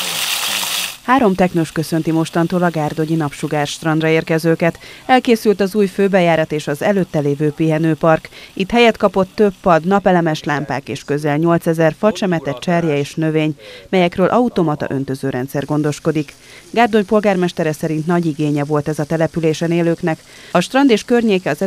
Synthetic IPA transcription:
haːɾo̞mt̪ɛknoʃkø̞sø̞nt̪imo̞ʃt̪ɒnt̪oːlɒɡaːrd̪o̞ɲinɒpʃuɡaːrʃt̪rɒnrɒeːrkɛzøːkɛt̪ɛlkeːsylt̪ɒzuːjføːbɛjaːɾɒt̪eːʃɒzɛløːt̪ːɛleːvøːpiɦɛnøːpɒrkit̪hɛjɛt̪kɒpo̞t̪ːøpːɒd̪nɒpɛlɛmɛʃlaːmpaːkeːʃkø̞zɛlɲo̞lt̪sɛzɛrfɒt͡ʃɛmɛt̪ɛtt͡ʃɛrjɛeːʃnø̞veːɲmɛjɛkrøːlʔɒut̪o̞mɒt̪ɒ̰ʔø̞n̪t̪ø̞zøːɾʔɛ̰nt̪sɛrɡo̞n̪d̪o̞ʃko̞d̪ik | ɡaːrd̪o̞ɲpo̞lɡaːrmɛʃt̪ɛɾɛsɛɾint̪nɒɟiɡeːɲɛvo̞lt̪ɛzɒt̪ɛlɛpyleːʃɛneːløːknɛk | ɒʃt̪rɒnd̪eːʃkørɲeːkɛɒzɛ

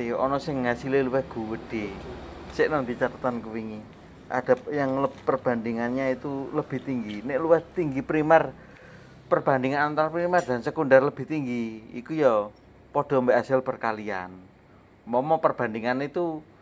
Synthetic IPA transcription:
eɔnɔsɪŋːasileluwɛhɡ̥ṳwəɖ̥esɪʔnaŋd̪it͡ʃat̪at̪ankuwiŋi | ʔa̰d̥a̤pjaŋləpːərb̥a̤nd̪iŋanɲait̪uləb̥i̤ht̪iŋɡineʔluwɛht̪iŋɡipɾimɛr | pərb̥a̤nd̪iŋanant̪aɾapɾimɛrd̪̥a̤nsəkundarləb̥i̤ht̪iŋɡiḭkujɔ | pɔɖ̥ɔ̤mbeʔasɪlpərkalia̰n | mɔmɔpərb̥a̤nd̪iŋanit̪u

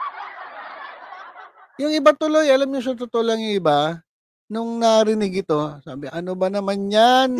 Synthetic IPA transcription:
jʊŋɪbat̪ʊlo̞jʔɐlamɲʊŋs̬ɐt̪ʊt̪olaɐŋjʊŋɪba | nʊŋnɐɾɪnɪɡɪt̪o̞sa̰ːbɪʔɐnobɐnɐmanɲan

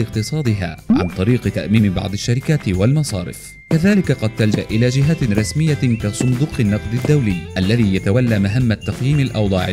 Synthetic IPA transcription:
ɪqt̪ɨsˤɑːd̪ɪɦa̰ːʕa̰nt̪ˤɑɾiːqɨt̪aʔmiːmɪbɑ̰ʕd̪ˤɑʃːaɾɪkaːt̪walmɑsˤɑ̰ːɾɪ̰f | kaðaːlɪkaqɑd̪̚t̪ald͡ʒaʔʔɪlaːd͡ʒɪɦaɾˤɑsmɪjːakasˤʊnd̪uːqɪnːɑqd̪ˤɪd̪ːawlɪjːʔalːaðiːjat̪awalːaːmaɦamːat̪ːɑqjiːmalʔɑ̰wd̪ˤɑʕ

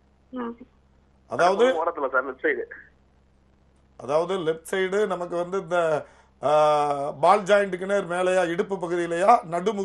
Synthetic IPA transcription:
ʔɐðaːʋɐðɯkoːɽɐt̪ːɪlɐsaːɾlɛp̚sɐɪɽɯ | ʔɐðaːʋɐðɯlɛp̚ʈsɐɪɖɯnɐmɐkːɯʋɐnd̪ɯɪnd̪ɐ | baːld͡ʒaːjɐɳɖɯkːɯneɾɯmeːlɐjaːɛɽɯpːɯp̬ːɐɣɯðɪjɪlɐjaːnɐɽɯmʊ

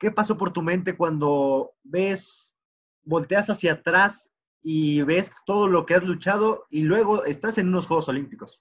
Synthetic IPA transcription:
ke̞paso̞po̞ɾt̪umẽ̞nt̪̬e̞kwand̪o̞be̞s | bo̞lt̪e̞asasjat̪ɾas | iβe̞st̪o̞ð̞o̞lo̞ke̞azlut͡ʃað̞o̞ilwe̞ɣ̞o̞ʔe̞st̪ase̞nũno̞sxwe̞ɣo̞so̞limpiko̞s

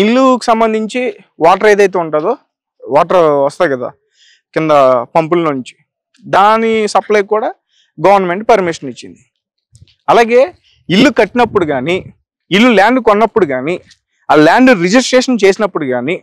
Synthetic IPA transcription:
ilːuki̥sɐmbɐnd̪ʱiɲt͡ʃi | ʋaːʈɐɾeːd̪ɐjt̪̬e̞ːuɳʈaːd̪oː | ʋaːʈɐɾʋɐst̪aːjkɐd̪a̰ː | kɪnd̪ɐpɐmpulnuɲt͡ʃi̥ | d̪aːnisɐplɐjkuːɽaː | ɡɐʋɐɾnɐme̞ɳʈ̚pɐɾmiʂɐnit͡ʃːind̪i | ɐlaːɡe̞ː | ilːukɐʈːinɐpːuɽuɡaːniː | lːulaːɳɖkonːɐpːuɽuɡaːni | aːlaːɳɖuɾid͡ʒisʈɾeːʂɐnt͡ʃe̞ːsinɐpːuɽukaːni

